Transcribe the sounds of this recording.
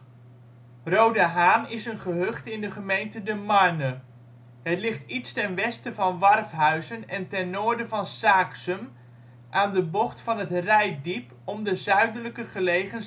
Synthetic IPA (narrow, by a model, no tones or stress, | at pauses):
rowdəɦaːnɪsənχəɦøχtɪndəχəmejntədəmɑɹnə | ɦətlɪχtitstɛnʋɛstəvɑnʋɑrfɦœɥzənɛntɛnːoːɹdəvɑnsaːksəm | ʔaːndəbɔχtfɑnɦətrɛjdip | ɔmdəzœɥdənləkəχəlejχən